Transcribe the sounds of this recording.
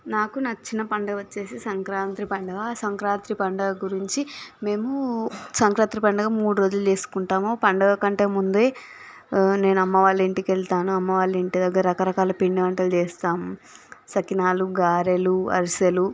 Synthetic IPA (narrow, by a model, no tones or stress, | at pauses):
naːkunɐt͡ʃːinːɐpɐɳɖɐʋɐt͡ʃːe̞ːsisɐŋkɾaːnt̪ɾipɐɳɖɐɡasɐŋkɾaːnt̪ɾipɐɳɖɐɡuɾiɲt͡ʃime̞ːmusɐŋkɾaːnt̪ɾipɐɳɖɐɡaːmuːɽuɾo̞ːd͡ʒulut͡ʃe̞ːsu̥kuɳʈaːmoːpɐɳɖɐɡkɐɳʈe̞ːmund̪e̞ː | ne̞ːnɐmːɐʋaːlːeːɳʈikeɭt̪aːnuɐmːɐʋaːlːeːɳʈid̪ɐɡːɐɾɾɐkɐɾɐkaːlɐpiɳɖiʋɐɳʈɐlt͡ʃeːst̪aːmusɐkinaːluɡaːɾeluɐ̰ɾisɐlu